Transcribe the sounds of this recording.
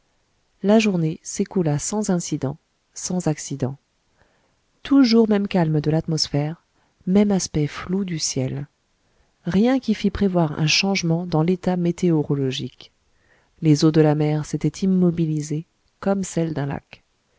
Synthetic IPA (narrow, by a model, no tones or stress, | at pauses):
laʒuʁnesekulasɑ̃zɛ̃sid̪ɑ̃ | sɑ̃zaksid̪ɑ̰̃ | t̪ʰuʒuʁmɛmkalmd̪əlat̪mɔsfɛʁ | mɛmaspɛflud̪ysjɛl | ʁjɛ̃kʲifipχevwaʁɛ̰̃ʃɑ̃ʒmɑ̃d̪ɑ̃let̪amet̪eɔʁɔlɔʒik | lezod̪əlamɛʁset̪ɛt̪ʰimːɔbilize | kɔmsɛld̪ɛ̃la̰k